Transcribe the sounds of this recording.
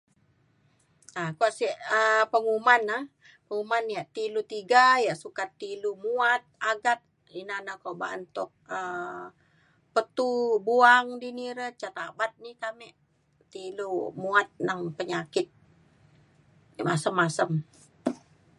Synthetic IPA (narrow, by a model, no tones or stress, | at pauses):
akoʔsiʔəpəŋumana | pəŋumanijaʔt̪ilut̪iɡajaʔsukat̪ːilumuat̪̚aɡat̪̚ | inanakoʔba̰ʔənt̪ʊk̚ə | pət̪ubuaŋdiniɾət͡ʃat̪abat̪̚nikamɛʔ | t̪ilumuat̪̚naŋpəɲakɪt̪̚ | masəmːasəm